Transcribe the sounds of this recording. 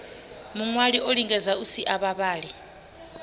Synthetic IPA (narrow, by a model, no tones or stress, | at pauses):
muŋwaliʔoliŋɡɛzausiʔaɓaɓaːɺi